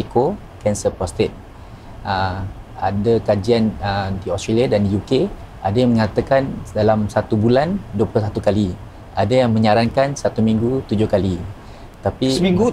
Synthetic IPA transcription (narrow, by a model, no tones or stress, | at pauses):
iko | kɛnsəpɔst̪ɪt̪̚ | əadakad͡ʒianədiɔst̪ɾaliadandijuke | adajaŋmə̃ŋat̪akandalamsat̪ubulanduəpulʊsat̪ukali | ʔadajaŋmə̃ɲaɾankansat̪umĩŋɡut̪ud͡ʒʊhkali | t̪apimiŋɡu